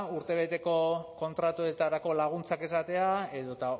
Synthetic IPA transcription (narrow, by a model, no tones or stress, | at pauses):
uɾt̪e̞β̞e̞t̪e̞ko̞ko̞nt̪ɾat̪ue̞t̪aɾako̞laɣ̞unt͡sake̞sat̪e̞ae̞ðo̞t̪a